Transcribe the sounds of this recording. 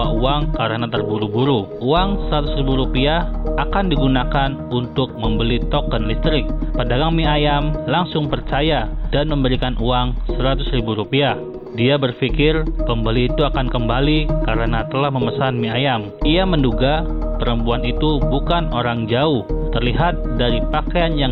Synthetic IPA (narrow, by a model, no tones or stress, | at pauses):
auaŋkaɾənat̪ərbuɾubuɾu | uaŋsəɾat̪ʊsɾibuɾupiaakandiɡunakan | unt̪ʊk̚məmbəlit̪ɔkənlist̪ɾɪk̚pədaɡaŋmiajamlaŋsʊŋpərt͡ʃajadanməmbəɾikanʔuaŋsəɾat̪ʊsɾibuɾupiah | diabərfikɪrpəmbəliːt̪uakankəmbalikaɾənat̪əlahməməsanmiajam | iamənduɡapəɾəmpuanit̪ubukanoɾaŋd͡ʒaʊht̪ərliɦat̪̚daɾipakaanjaŋ